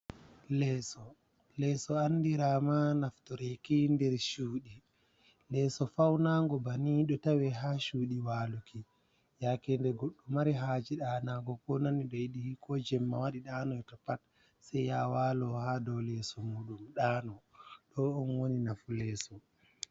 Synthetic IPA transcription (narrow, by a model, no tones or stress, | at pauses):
lɛːsɔ | lɛsɔanːdiɾamanaftɔɾɛkindɛɾʃuːɗi | lɛsɔfawnaŋɡɔbaniɗɔtawɛɦaʃuːɗiwaːluki | jakɛndɛɡoɗːumaɾiɦaːd͡ʒiɗaːnaɡɔkɔnaniɗɔjiɗihikʰɔd͡ʒɛmːa̰waɗiɗaːnɔɛtɔpat | sɛjjawalɔhaːdɔwlɛsɔmuːɗumɗaːnɔɗɔɔnwoninafulɛsɔ